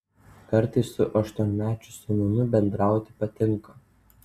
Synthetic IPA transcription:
kɐɾt̪ɐɪsːʊʔɐʃt̪uɔnʲmʲæːt͡ʃʲʊsʊnʲɐnʲʊbʲɛnd̪ɾɑˑʊt̪ʲɪ̥pɐt̪ʲɪŋˑkɐ

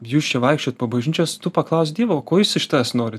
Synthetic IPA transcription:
juːst͡ʃʲɛʋɐɪkʃʲt͡ʃʲoːt̪pɐbɐʒʲɪnʲt͡ʃʲost̪ʊpɐklˠɐˑʊs̬ʲd̪ʲiɛʋokoːjuːsɪʃʲt̪ɑsnoːɾʲɪ

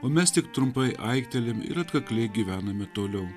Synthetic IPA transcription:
oːmʲɛst̪ʲɪkt̪ɾʊmpɐɪʔɐ̰ɪkt̪ʲɛlʲɪmɪ̰ɾɐt̪kɐklʲɛɪɡʲiːʋʲæːnɐmʲɪt̪oːlʲɛʊ

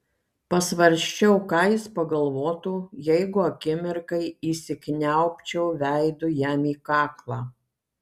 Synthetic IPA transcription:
pɐsʋɐɾʲʃʲt͡ʃʲɛʊkɑːjɪspɐɡɐlˠʋoːt̪uːjɛɪɡʊɐkʲɪmʲɪɾkɐɪiːsʲɪkʲnʲæʊpʲt͡ʃʲɛʊʋʲæɪd̪ʊjæmiːkɑːklˠɑː

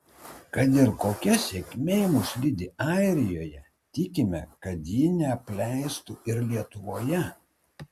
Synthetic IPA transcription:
kɐt̪̬ɪɾkoːkʲɛsʲekʲmʲeːjɪmuːʃʲlʲɪd̪ʲɪɑˑɪɾʲɪjoːjɛ | t̪ʲɪkʲɪmʲɛkɐt̪jiːnʲɛɐpʲlʲæˑɪst̪uːɪɾlʲiɛt̪ʊʋoːjɛ

